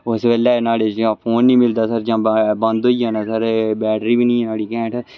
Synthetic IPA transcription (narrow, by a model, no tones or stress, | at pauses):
ʊsʋɛːlɛːnaːɽeːt͡ʃd͡ʒãːpʰoːnːĩːmɪld̪aːsəɾd͡ʒãːbə̃nd̪oːiːɦãːnaːsəɾbɛːʈɾiːbiːnĩːnaːɽiːkɛ̃ːʈ